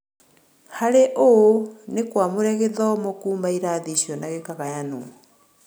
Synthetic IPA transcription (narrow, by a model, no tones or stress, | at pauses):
haɾeʔonekwamoɾɛɣeðɔmokuːmbaiɾaðiʃjɔnaɣekaɣajano̰